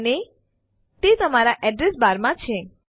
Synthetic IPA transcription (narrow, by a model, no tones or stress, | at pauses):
ne | t̪et̪əmaɾaʔɛɖɾesbaɾmãt͡ʃʰe